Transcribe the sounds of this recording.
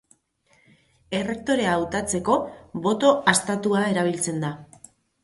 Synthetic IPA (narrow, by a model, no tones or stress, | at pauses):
e̞re̞k̚t̪o̞ɾe̞aːwt̪at͡se̞ko̞βo̞t̪o̞ast̪at̪uae̞ɾaβ̞ilt͡se̞nd̪a